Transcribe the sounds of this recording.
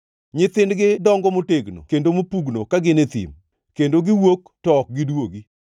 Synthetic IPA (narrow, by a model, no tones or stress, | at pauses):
ɲɪt̪ɪndɡɪdɔŋɡɔmoteɡno̰kendomopuɡnokaɡɪnet̪ḭm | kendoɡɪwok | tɔk̚ɡɪdwoɡi